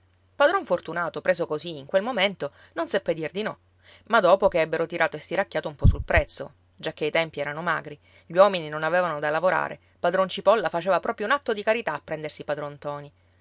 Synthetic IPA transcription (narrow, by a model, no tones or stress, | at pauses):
pad̪ɾɔɱfort̪unaːt̪opɾeːzokoziːŋkwelmoment̪o | nonsepːed̪ird̪inɔ | mad̪ːɔːpokeɛbːeɾot̪iɾʔaːt̪oest̪iɾakːjaːt̪oumpɔsulpɾɛt̪sːo̰ | d͡ʒak̟ːeit̪ɛmpiɛːɾanoma̰ːɡɾi | ʎwɔmininonavevanod̪alavoɾa̰ːɾḛ | pad̪ɾɔnt͡ʃipɔlːafat͡ʃeːvapɾɔːpɾjounat̪ːod̪ikaɾit̪aːpːɾɛnd̪ersipad̪ɾɔnt̪ɔːni